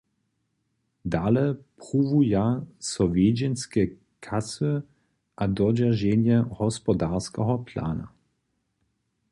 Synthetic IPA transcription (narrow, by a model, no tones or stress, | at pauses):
d̪alɛpʁuvujasɔvjeːd͡ʒɛnskɛ | kʰasɨ | ʔad̪ɔd͡ʒaʒɛnjɛhɔspɔd̪aʁskɛɦɔpla̰ːna̰